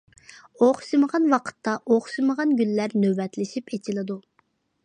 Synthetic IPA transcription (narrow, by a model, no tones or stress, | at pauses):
oχʃɨməʁɑnwɑqʰə̥t̪ʰːɑʔoχʃɨməʁɑnɡʲylːæɾnøbɛt̪lɪʃipet͡ʃʰilˠɨd̪u